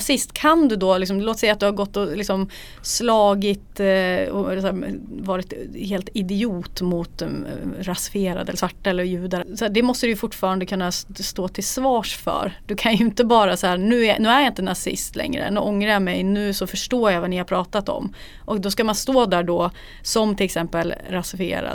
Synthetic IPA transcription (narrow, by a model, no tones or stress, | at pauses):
sɪst̪kʰand̪ɵd̪ɔːlɪks̬ɔmloːt̪sɛjːat̪̚d̪ɵhaɾɡɔt̪ːɔlɪksɔm | slɑːɡɪt̪ɔ̰ɛlsaɾvɑːɾɪt̪heːlt̪ɪd̪ɪuːt̪mʊt̪ɾasfeːɾa̰d̪əɛlːsvaʈːaɛlːəɾjʉ̟ːd̪aɾsɔæɖɛmɔst̪əd̪ɵjfʊʈːfɑːɾand̪əkʰɵnːast̪oːt̪ʰɪlsvɑːʂfœ̰ɾd̪ɵkʰanjɵɵɪnt̪əbɑːɾashæːɾnʉ̟ːnʉ̟ːæɾjaɪnt̪ənasɪ̰st̪lɛ̰ŋɾə̰nʉ̰ʔɔŋːɾajamɛjnʉ̟ːsɔfœʂʈoːɾjavanɪhaɾpʰɾɑːt̪at̪ɔ̰m | ʔɔk̚d̪ɔskamanst̪oːd̪æːɖɔ | sɔmt̪ʰɪlɛksɛmpəlɾasɪfɪḛːɾa̰